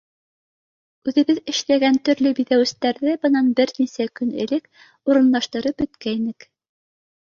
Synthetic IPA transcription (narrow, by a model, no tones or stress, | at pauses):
ʉðɘ̆βɘðɘ̆ʃlæɡænt̪ɵ̆ɾlɵbiðæwɘ̆st̪æɾðɘbɤ̆nɑnbɘɾnisækɵnɘ̰̆lɘk | uɾɤ̆nlˠɑʃt̪ɤ̆ɾɤp̚bɵ̆t̪kæjnɘk